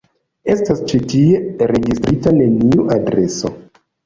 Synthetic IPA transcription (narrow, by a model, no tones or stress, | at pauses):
e̞stast͡ʃitie̞ɾe̞ɡistɾitane̞niuʔadɾe̞so̞̰